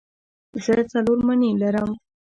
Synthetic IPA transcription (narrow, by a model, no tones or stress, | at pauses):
ʒəjt͡saloɾmanelaɾəm